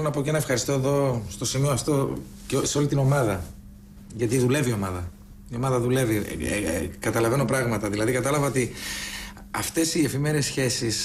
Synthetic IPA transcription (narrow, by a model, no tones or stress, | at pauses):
lonɐpo̞cenɐefxɐɾist̪o̞e̞ðo̞st̪o̞simioɐft̪o̞ | cseo̞lit̪ino̞mɐðɐ | ʝɐt̪iðule̞vio̞mɐðɐ | io̞mɐðɐðule̞vḭ | kɐt̪ɐlɐve̞no̞pɾɐɣmɐt̪ɐðilɐðikɐt̪ɐlɐvɐo̞t̪i | ɐft̪e̞sie̞fime̞ɾesçe̞sis